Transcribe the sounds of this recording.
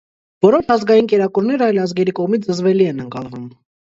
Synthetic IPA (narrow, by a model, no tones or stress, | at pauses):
vɔɾɔʃɑzɡɑjinkɛɾɑkuɾnɛɾəɑjlɑzɡɛɾikɔʁmit͡sʰəzvɛliɛnəŋkɑlvum